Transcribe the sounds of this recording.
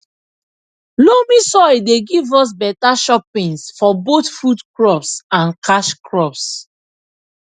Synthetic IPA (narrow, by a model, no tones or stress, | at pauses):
lomisɔideɡivɔs̬bɛtaʃɔpĩnsfɔbotfudkɹɔpsãnkʰaʃkʰɹɔps